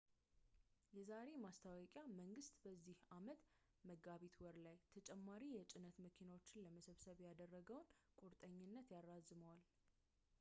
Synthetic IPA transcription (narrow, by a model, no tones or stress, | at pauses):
jɛzaɾe̞mast̪ʰawɔkʼjaməŋɡɨst̪ʼbəzːihamət̪ | məɡaβet̪ʰwɔɾlajt̪ʰət͡ʃʼɛmːaɾijɛt͡ʃʼɪnət̪məkʰinawot͡ʃːɪnləməsəβsəβjad̪ərːəɡəwnkʼuɾt̪ʼəɲːɪnːət̪jarːazɨməwal